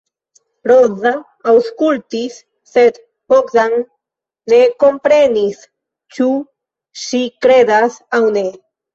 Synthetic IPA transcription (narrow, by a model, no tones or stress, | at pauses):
ɾozaː | wskult̪isː | et̪ | pokzanː | ekompɾenis | t͡ʃu | ʃikɾed̪asawne